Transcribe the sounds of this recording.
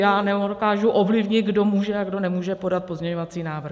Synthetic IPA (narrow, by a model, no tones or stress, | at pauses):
jaːnɛokaːʒuʔovlɪvɲɪt̪̚ɡdo̞muːʒɛaɡdo̞nɛmuːʒɛpo̞dat̪̚pozɲɛɲovat͡siːnaːvr̩